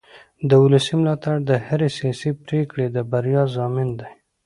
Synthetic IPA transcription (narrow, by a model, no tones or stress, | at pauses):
d̪əʊləsimlɑt̪aɽd̪əhaɾesijɑsipɾekɽed̪əbaɾjɑzɑmɪnd̪aj